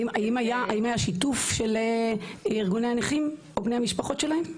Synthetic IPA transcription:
maimajaʔaimajaʃitufʃe̞l | iʁɡuneaniχim | obnejhamiʃpaχo̞tʃelahem

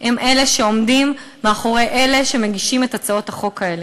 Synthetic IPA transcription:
hemʔeleʃeo̞mdimː | eaχo̞ʁejʔele̞ʃe̞meɡiʃimetat͡sao̞thaχo̞kae̞le

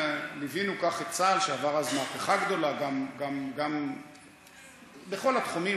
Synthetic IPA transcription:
livinukaχet͡salʃeavaʁazmaːpeχaɡd̪o̞laɡamɡamɡam | beχo̞lat̪χumi

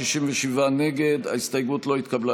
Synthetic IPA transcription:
iʃimveʃivane̞ɡe̞d̪a̰ist̪ajɡutlo̞it̪kabla

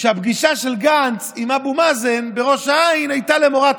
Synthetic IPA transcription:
ʃeabɡiʃaʃe̞lɡant͡simabumazenbe̞ʁo̞ʃaainajtale̞mo̞ʁa

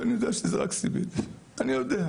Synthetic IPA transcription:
anijod̪eaʃezeʁa̰ksibit̪ianijod̪ea

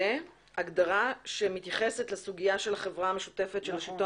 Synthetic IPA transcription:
e | aɡd̪aʁaʃemit̪jaχe̞setlesuɡijaʃe̞laχe̞vʁaameʃu̥te̞fetʃe̞laʃito

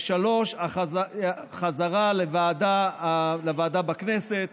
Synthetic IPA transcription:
ʃalo̞ʃaa | χazaʁalevaːd̪alevaːd̪abakneset̪̚

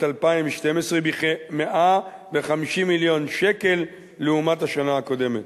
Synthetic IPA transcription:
talpaimveʃte̞mesʁebimeʔa | veχamiʃimiljo̞nʃe̞ke̞lː | eumathaʃanaako̞de̞met

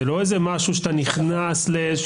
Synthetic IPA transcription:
elo̞ezemaʃuʃet̪aniχnaslee

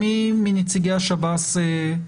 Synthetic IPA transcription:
iminit͡siɡeaʃabase

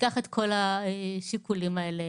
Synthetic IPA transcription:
aχet̪kʰo̞laʃikulimaele

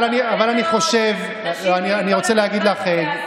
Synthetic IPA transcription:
laniavalaniχo̞ʃev | anianiʁo̞t͡seleaɡid̪laχeɡ

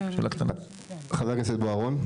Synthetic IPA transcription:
ʃelʔakt̪ana | χazakesed̪̚boaʁon

